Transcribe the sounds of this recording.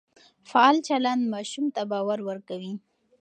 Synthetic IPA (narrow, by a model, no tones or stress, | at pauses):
faɑlt͡ʃalɑnmɑʃumt̪abɑwaɾwəɾkawi